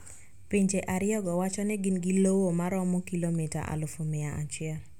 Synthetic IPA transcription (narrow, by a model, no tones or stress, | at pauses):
piɲd͡ʒeʔaɾɪjɔɡɔwat͡ʃɔnɛɡɪnɡɪlowomaɾɔmɔkilomita̰ʔa̰lʊfomɪaat͡ʃɪɛl